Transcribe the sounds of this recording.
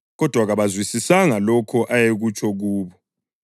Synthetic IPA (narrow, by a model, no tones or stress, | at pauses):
ɣɔd̥ʱwaɣaβazwisisaŋalɔkʰɔʔajeɣut͡ʃʰʼɔɣuːβɔ